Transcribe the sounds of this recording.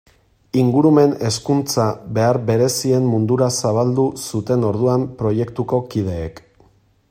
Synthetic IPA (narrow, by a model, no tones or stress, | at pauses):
iŋɡuɾume̞ne̞skunt͡saβe̞aɾβe̞ɾe̞sie̞mːund̪uɾasaβald̪usut̪e̞no̞ɾð̞uampɾo̞je̞kt̪uko̞kiðe̞ːk